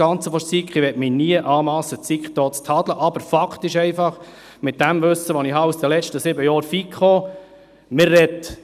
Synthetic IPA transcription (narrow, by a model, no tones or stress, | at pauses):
ɑnt͡səfɔɾsikχiʋɛtminiəʔɑːmɑːsət͡sikχd̪ɔːt͡st̪ʰɑd̥̪ləʔɑbəɾfɑkʰt̪ɪʃɛɪfɑχ | mɪt̚d̥æmʋɵsəʋɔnihɑusd̥̪əlɛt͡ʃtəsɪbəjɔːɾfikχoː | mɪːɛt̪